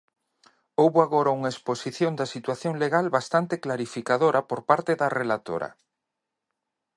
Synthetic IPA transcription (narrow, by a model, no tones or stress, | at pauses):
owβoaɣoɾauŋaesposiθjond̪ɐsit̪waθjoŋleɣalβast̪ant̪eklaɾifikaðoɾʔɐpoɾpaɾt̪eðɐrelat̪o̰ɾɐ̰